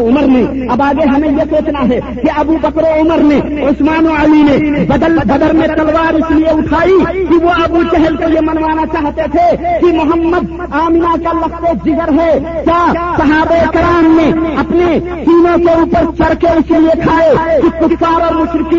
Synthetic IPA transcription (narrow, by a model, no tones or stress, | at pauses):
oməɾneɐbaːɡeɦɐmẽjesoːt͡ʃnaɦɛ | kiɐbubəkɾoʊməɾne | ʊsmaːnoəlinebəd̪əlbəd̪əlmẽt̪ɐlʋaːɾɪslieʊʈʰaːikiʋoɐbut͡ʃɛɦɛlkejemɐnʋaːnat͡ʃaːɦt̪et̪ʰekimʊɦəmːəd̪ | aːmɪnakalɐkʰt̪ed͡ʒɪɡəɾɦɛt͡ʃaːsɐɦaːbekɾaːmːẽɐpne | siːnõkeuːpəɾt͡ʃəɾkeɪsliekʰaːekikʊpʰfaːɾɔːɾmʊʃɾɪki